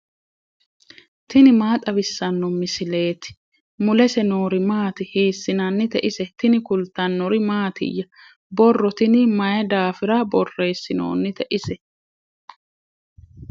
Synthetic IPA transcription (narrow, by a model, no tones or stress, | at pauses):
t̪ɪnɪmaːt̪ʼɐβɪsːɐnːɔmɪsɪle̞ːt̪ɪ̥ | mʊlɛsɛno̞ːɾɪmaːt̪ɪhiːsːɪnɐnːɪt̪ɛʔɪsɛt̪ɪnɪkʊlt̪ːɐnːɔɾɪmaːt̪ɪ̰jːɐ | bɔrːɔt̪ɪnɪmɐjɛd̪aːfɪɾɐbɔrːe̞ːsːɪno̰ːnːɪt̪ɛʔɪsɛ